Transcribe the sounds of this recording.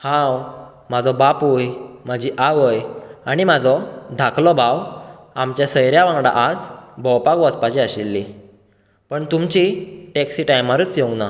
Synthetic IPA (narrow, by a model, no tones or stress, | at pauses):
hãw | mad͡zɔbapujmad͡ʑʱiʔaʋəjaɽ̃imad͡zʱɔd̪ʱakʰlɔbawamt͡ɕjasəjɾjaʋãŋɡɽa̰ʔad͡zbʱɔwpakʋɔspat͡ɕeaɕilːi | pəɳt̪umt͡ɕiʈeksiʈajmaɾut͡sjoɡna